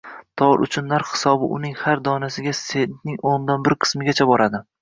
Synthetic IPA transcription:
t̪ʰɒɾʊ̰t͡ʃʰʊnːaɾhɪ̥sɒbɪʔʊnɪŋhaɾd̪ɒnasɪɡʲasennɪŋond̪anbɪɾqʰɨ̥smɪɡʲat͡ʃʰabɒɾad̪ɪ

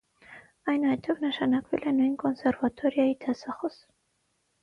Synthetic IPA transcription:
ɑjnɑjt̪ʰɔvnəʃɑnɑkvɛlɛnujnkɔnsɛɾvɑt̪ʰɔɾjɑit̪ʰɑsɑχɔs

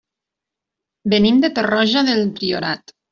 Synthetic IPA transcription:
benimd̪et̪orɔʒaðelp̪ɾio̰ɾat̪

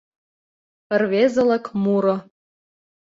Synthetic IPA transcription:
pə̆rβezɤ̆lɤ̆kmuɾŏ

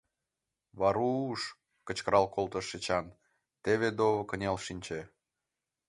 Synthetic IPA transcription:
βɑɾuːʃ | kə̆t͡ɕkəɾɑlkolt̪əʃːet͡ɕɑn | t̪eβed̪oβə̆kənʲɑlʃinʲt͡ɕe

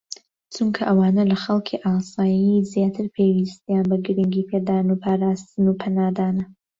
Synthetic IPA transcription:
t͡ʃuŋkʰɐʔɐwaːnɐlɐxɐlˠkʰiʔaːsaːjizjaːt̪ʰɨɾpʰewist̪ijanbɐɡɾɨŋɡiːpʰed̪aːnupʰaːɾaːst̪ɨnupʰɐnaːd̪aːnɐ

